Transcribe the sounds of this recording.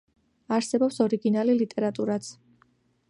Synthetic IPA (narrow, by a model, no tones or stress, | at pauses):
aɾsɛbɔpsɔɾiɡinalilit̪ʼɛɾat̪ʼuɾat̪sʰ